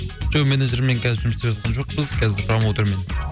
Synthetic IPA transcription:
d͡ʒowmeneʒɪɾmeŋkʲʰɛzʒumsepɑt̪̚qʰɑnʒoq̚bɪz̥kʲʰɛzɪɾqʰɾɑmwot̪ʰʊɾmen

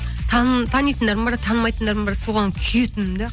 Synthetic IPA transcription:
t̪ʰɑnt̪ʰɑnijt̪ənd̪ɑɾmbɑɾt̪ʰɑnəmɑjt̪ənd̪ɑɾmbɑɾsoʁɑnkʲʰijet̪ɪmɪnd̪e

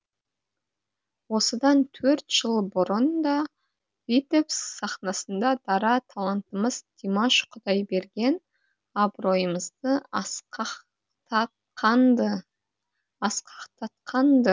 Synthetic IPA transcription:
wo̞səd̪ɑnt̪ʰɵɾt̪ʒ̥əlˠbʊɾənd̪ɑ | vit̪opssɑχnɑsənd̪ɑd̪̥ɑɾɑt̪ʰɑlˠɑnt̪əməzd̪ʲimaʃqʰʊd̪ɑjbe̞ɾɡʲe̞n | ɑbɾo̞jəməzd̪ə | q̪ | ɑt | q̪ | ɑsqʰɑqt̪ʰɑt̪qʰɑnd̪ə

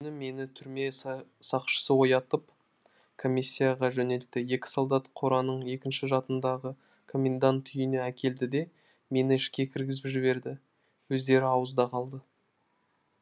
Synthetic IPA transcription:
kʲʰʏnɪme̞nɪt̪ʰʏɾme̞sɑqʃə̥səwo̞jɑt̪əp | kʰo̞mʲisʲːijaʁɑʒɵne̞lt̪ɪje̞kʲɪ̥solˠd̪ɑt̪qʰoɾɑnəɴje̞kʲɪnʃɪʒɑt̪ənd̪ɑʁə | kʰo̞mʲend̪ant̪ʰːʏjɪneækʲe̞ld̪ɪd̪e̞ | me̞nɪɪʃkʲe̞kʲʰɪɾɡʲɪzɪpʒɪbe̞ɾd̪ɪ | wɵzd̪e̞ɾɪɑwəzd̪ɑqʰɑlˠd̪ə

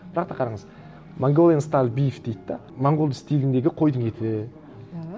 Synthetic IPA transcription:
b̥ɪɾɑq̚t̪ɑqʰɑɾɑɴəz | maŋɡʲolˠenst̪alʲbijfd̪ejd̪ɪd̪ɑmaɴɡolˠɪst̪elɪnd̪e̞ɡʲɪqʰo̞jd̪əɴe̞t̪ʰɪ

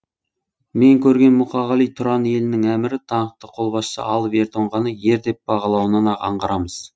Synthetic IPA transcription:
me̞ŋkʲʰɵɾɡʲe̞nmʊqɑʁɑlˠijt̪ʰʊɾɑne̞lɪnɪŋæmɪɾɪt̪ʰɑɴəqt̪əqʰo̞lˠbɑssə̰ʔɑlˠəpe̞ɾt̪ʰoɴʁɑnəje̞ɾd̪e̞p̚b̥ɑʁɑlˠɑwənənɑqʰɑ̰ɴʁɑɾɑməz̥

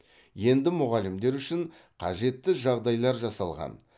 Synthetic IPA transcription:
je̞nd̪ɪmʊʁɑlɪmd̪e̞ɾʏʃɪɴ | qʰɑ̰ʒe̞t̪ːɪʒɑʁd̪ɑjlˠɑɾʒɑsɑlˠʁɑ̰n

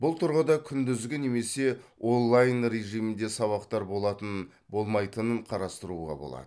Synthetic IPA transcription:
bʊlˠt̪ʰʊɾʁəd̪ɑkʲʰʏnd̪ʏzɡʲɪne̞me̞se̞o̞nlˠajnɾe̞ʒijmɪnd̪e̞sɑβɑqt̪ɑɾbo̞lˠɑt̪ən | bo̞lˠmɑjt̪ənəɴqʰɑɾɑst̪əɾuʁɑ̰bo̞̰lˠɑ̰d̪ə

